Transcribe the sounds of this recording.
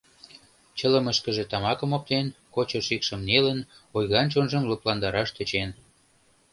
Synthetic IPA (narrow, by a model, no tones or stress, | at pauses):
t͡ɕə̆lə̆məʃkə̆ʒĕt̪ɑmɑkə̆mop̚t̪enkot͡ɕɤʃikʃə̆mnelənojɣɑnt͡ɕonʒə̆mluplɑnd̪ɑɾɑʃt̪ə̆t͡ɕen